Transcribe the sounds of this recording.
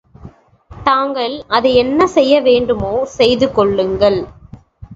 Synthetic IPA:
t̪aːŋɡɐɭʔɐðɐɛnːɐsɛjːɐʋeːɳɖɯmoːsɛjðɯkɔɭːɯŋɡɐɭ

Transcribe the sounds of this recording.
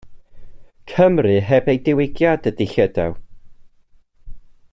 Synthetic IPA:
kʰəmrɨɦɛbejdɪwɪɡjadədɪɬədɛw

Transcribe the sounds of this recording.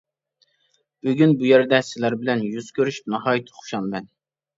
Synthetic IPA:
b̥øɡʲynbujæɾd̪ɛsɪlæɾbɪlɛnjyz̥kʲʰøɾyʃy̥p̚nɑhɑːjit̪ʰːɨ̥χʰo̥ʃɑnmɛn

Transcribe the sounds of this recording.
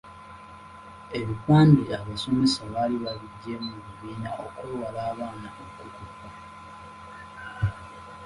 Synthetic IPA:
e̞βikwaːndiaβaso̞mesaβaliβaβiɟːemuβuβiːnaʔokuwalaːβaːnaʔokukupːa

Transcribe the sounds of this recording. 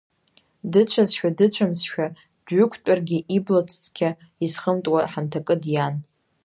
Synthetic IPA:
dɨt͡ʃʷʰazʃᶣadɨt͡ɕʷʰamsʃᶣa | dɥʏkʷʰtʼarɡʲɪʔiblat͡sʷʰʼt͡sʼkʲʰa | izχəmtʼwaħamtʰakʼɨdjan

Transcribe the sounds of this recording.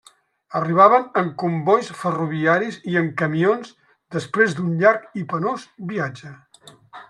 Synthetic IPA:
əriβ̞aβənəŋkumbɔjsfəruβiaɾiziəŋkəmionz | d̪əspɾezd̪unʎaɾkipənozbiad͡ʒə

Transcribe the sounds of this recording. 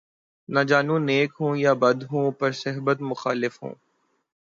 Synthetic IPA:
nɐd͡ʒaːnũːneːkɦũːjaːbɐd̪ɦũːpɐɾsɐɦbət̪mʊxaːlɪfɦṵ̃ː

